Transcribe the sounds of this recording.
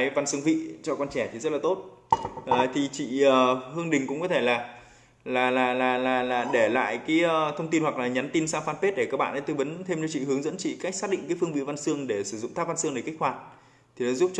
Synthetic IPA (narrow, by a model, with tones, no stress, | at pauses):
jva˧nsɨ˧əŋvḭ˧˨t͡ɕɔ˧kwaː˧nt͡ɕɛ˧˩t̪i˨˩zə˦˥t̚la˨˩t̪o˦˥t̚ʔːt̪ʰi˨˩t͡ɕḭ˧˨əː˨˩hɨ˧əŋɗï˨˩ŋ̟kʊ̰˧˥ŋ͡mkɔ˨˦t̪ʰe˧˩laː˨˩ | laː˨˩laː˨˩laː˨˩laː˨˩laː˨˩ɗe˧˩la̰ː˧˨jkaː˨˦jəː˨˧t̪ʰə˧wŋ͡mt̪i˧nwa˨˩k̚laː˨˩ɲa˨˦nt̪i˧nsaː˧wfaː˧npe˦˥t̚ɗe˧˩kaː˦˥k̚ɓa̰ː˧nʔa˨˦t̪o˧jvə˨˦nt̪ʰe˧mt͡ɕɔ˧t͡ɕḭ˧˨hɨ˨˦əŋzə̰˧˥nt͡ɕḭ˧˨ka˦˥jk̟saː˦˥ɗḭ˧˨ŋ̟kaː˨˦fɨ˧əŋvḭ˧˨va˧nsɨ˧əŋɗe˧˩sɨ˧˩zʊ̰˧˨ŋ͡mt̪ʰa˦˥p̚va˧nsɨ˧əŋne˧˩kk̚hwaː˨˩t̚ | t̪ʰi˨˩ɔ˨˦zu˦˥p̚t͡ɕ